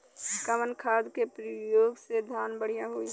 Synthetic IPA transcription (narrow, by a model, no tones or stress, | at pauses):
kəmənkʰaːd̪kepɾijoːɡsed̪ʱaːnbəɽ̤ijaɦoːi